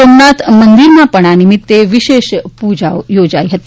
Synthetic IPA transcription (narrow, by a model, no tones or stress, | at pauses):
omnat̪mənd̪iɾmapəɽ̃animit̪ːeʋiɕeʃpud͡ʑaʋjod͡ʑajɦət̪i̥